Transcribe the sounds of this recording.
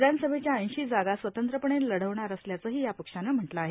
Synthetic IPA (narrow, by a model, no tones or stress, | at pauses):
d̪ʱanəsəbʱet͡ɕjaə̃j̃ɕiːd͡zaɡasʋət̪ənt̪ɾəpəɳenləɽ̤əʋɳaɾəsljat͡səɦiːjapəkʂanəm̤əʈlaaɦe